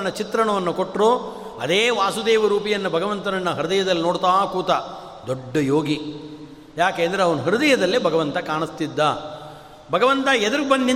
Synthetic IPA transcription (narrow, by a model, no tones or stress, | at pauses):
nɐt͡ʃit̪ɾɐɳɐʋɐnːukoʈɾoː | ɐd̪eːʋaːsud̪eːʋɐɾuːpijɐnːɐbʱɐɡɐʋɐnt̪ɐnɐnːɐɦɐɾud̪ɐjɐd̪ɐlːinoːɽt̪aːkuːt̪aː | d̪oɖːɐjoːɡi | jaːkeːnd̪ɐɾeɐʋɐnɐɦɐɾd̪ɐjɐd̪ɐlːeːbʱɐɡɐʋɐnt̪ɐkaːɳist̪id̪ːaː | bʱɐɡɐʋɐnt̪ɐɛd̪ɐɾɡubɐnd̪i